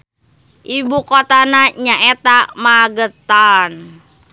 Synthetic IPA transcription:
ʔibukot̪anaɲaʔɛt̪amaɡət̪an

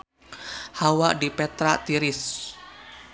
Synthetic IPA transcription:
hawaʔdipɛt̪ɾat̪iɾɪs

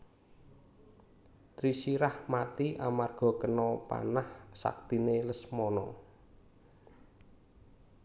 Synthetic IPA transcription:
t̪ɾisiɾahmat̪iʔamarɡ̥ɔ̤kənɔpa̰nahsa̰k̚t̪ineləsmɔnɔ

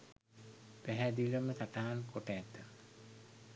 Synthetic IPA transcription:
pæɦæd̪iləmət̪aʈaɦankoʈaːt̪ːə

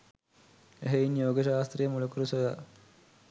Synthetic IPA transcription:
eɦeinjoːɡeʃaːst̪rijəmulukuɾusoja̰

